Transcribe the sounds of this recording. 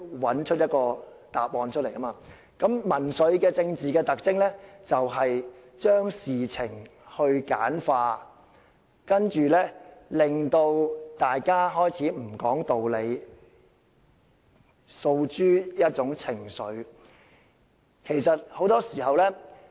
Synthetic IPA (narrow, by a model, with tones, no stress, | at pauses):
wɐ˨˥nt͡ʃʰɵ˥jɐ˥t̚kɔː˧ | t̪aː˨p̚ɔː˨˧nt͡ʃʰɵ˥t̚le˨˩jkɐ˥maː˧ | kɐ˨˥mmɐ˨˩nsɵ˨˥ɥkɛː˧t͡sɪ˧ŋt͡siː˨kɛː˧t̪ɐ˨k̚t͡sɪ˥ŋlɛː˥t͡sɐ˨wɦɐ˨j | t͡ʃœː˥ŋsiː˨t͡sʰɪ˨˩ŋhɵ˧ɥka̰ː˨˥nfaː˧ | kɐ˥nt͡ʃyː˨lɛː˥lɪ˨ŋt̪o˧wt̪aː˨jkaː˥ɦɔː˥jt͡sʰiː˨˥m̩˨˩kɔː˨˥ŋt̪o˨wle˨˧j | so˧wt͡ʃyː˥jɐ˥t̚t͡ʃʊ˨˥ŋt͡sʰɪ˨˩ŋsɵ˨˧˥ɥ | kʰe˨˩jsɐ˨t̚ho˨˥wt̪ɔː˥siː˨˩hɐ˨wlɛː˥